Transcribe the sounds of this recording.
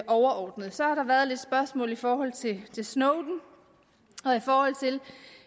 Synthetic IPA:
ʔɒʊɐʔɒːd̥nəð̩ˠsɒ̽hɑ̈ɾ̥ɑ̈ʋæɐð̞̩ˠle̝d̥sb̥ɶɐsmɔ̰̽ːlifɒːɦɒ̽l̰t͡sʰe̝t͡sʰe̝lsnoɔʊd̥n̩ | ɒ̽ifɒːhɒ̽l̰t͡sʰe̝l

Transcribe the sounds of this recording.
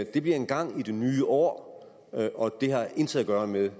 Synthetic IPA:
d̥e̝b̥liɐe̝nɡ̥ɑ̈ŋ̰id̥e̝nyːʔɒ̰ː | ɒ̽d̥e̝hɑ̈e̝nt͡sʰeðˠæɡ̥ɶːɐmeðˠ

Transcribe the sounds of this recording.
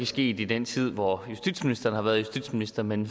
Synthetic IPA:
æsɡ̥e̝̰ːd̥id̥en̰t͡sʰið̞̰ˠʋɒjusd̥ḭd̥sminisd̥ɐːn̩hɑ̈ʋæːɐðˠjusd̥ḭd̥sminisd̥ɐmen

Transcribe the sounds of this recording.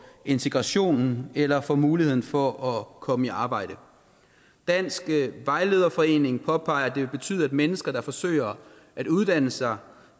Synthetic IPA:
e̝nt͡sʰe̝ɡ̥ʁɑ̈ɕo̝̰ːnn̩elɐfɒmuːlihe̝ð̰ˠn̩fɒʔɒkʰɒ̽məiɑ̈ːb̥ɑ̈ɪ̰ɾ̥ə | d̥æn̰sɡ̥əʋɑ̈ɪle̝ð̞ˠɐfɒ̽e̝̰ːne̝ŋpʰɒ̽pʰɑ̈ɪɐæd̥e̝ʋe̝lb̥e̝t͡sʰy̰ːðˠæd̥menəsɡ̥ɐɾ̥ɑ̈fɒ̽sø̰ɪɐ | ʔæɾ̥uð̞ˠd̥æn̰əsɑ̈ɪ

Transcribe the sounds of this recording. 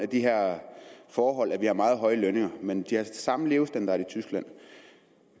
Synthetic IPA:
æd̥iɦeɐ̰fɒːɦɒ̽l̰æʋihɑ̈mɑ̈ːð̞̩ˠɦɒ̽ɪəløne̝ŋɐmend̥ihɑ̥̈sɑ̈məle̝ːʊsd̥ænd̥ɑæɐit͡sʰysɡ̥læn̰

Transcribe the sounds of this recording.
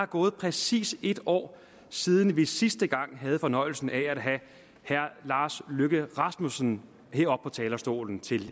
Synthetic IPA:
hɑ̈ɡ̥ɔːð̩ˠpʰʁɛsḭːse̝d̥ɒ̰ː | siːðˠn̩ʋisisd̥əɡ̥ɑ̈ŋ̰ɦæð̩ˠfɒ̽nɒ̽ɪl̩sn̩ææd̥ɦæ | hæɐ̰lɑ̈ːsløɡ̥əʁɑ̈smusn̩ | he̝ɐ̰ɒ̽b̥̚pʰɒ̽t͡sʰɛːlɐsd̥o̝̰ːln̩t͡sʰe̝l

